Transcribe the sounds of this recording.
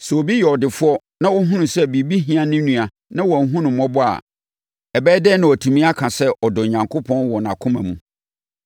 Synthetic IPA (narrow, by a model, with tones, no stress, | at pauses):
sɛ˨o˨bi˦jɛ˨ɔ˨dɪ˨fʊ˦ɔ˦ | nã˦wɔ˦ɦũ˦nʊ̃˨sɛ˦bi˨bi˦ɦĩ˦ã˨nɪ̃˦nũ˨a˨ | nã˦wɔ˨˦ɦũ˦nʊ̃˨mmɔ̃˦bʊ˦a̰˨ | ɛ˨bɛː˦dɛ˦nʊ̃˨ɔ˨tʰũ˨mĩ˦a˦kʰã˨sɛ˦ʔɔ˨dʊ˨ɲã˨ŋkʰo˦pʰɔ̃˦nwɔ˨nã˨kʰʊ̃˦mã̰˨mũ˦